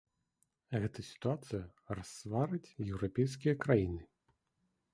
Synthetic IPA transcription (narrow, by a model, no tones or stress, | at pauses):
ɣɛt̪ɐsʲi̥t̪uat̪sɨjɐrasvaɾɨt͡sʲjɛwɾapʲɛjskʲijɐkɾajinɨ